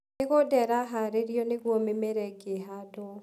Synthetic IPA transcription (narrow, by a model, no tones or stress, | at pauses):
neɣodɛɾaɦaɾeɾjɔneɣwɔmemeɾɛɡeɦadɔ